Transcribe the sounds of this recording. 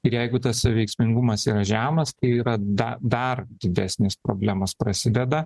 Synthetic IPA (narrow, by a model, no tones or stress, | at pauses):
ɪɾjɛɪɡʊt̪ɐssɐʋʲɛɪksʲmʲɪŋɡʊmɐsiːɾɐʒʲæːmɐst̪ɐɪiːɾɐd̪ɐd̪ɐrd̪ʲɪd̪ʲæːsʲnʲespɾoːbʲlʲæːmɐspɾɐsʲɪd̪ʲɛd̪ɐ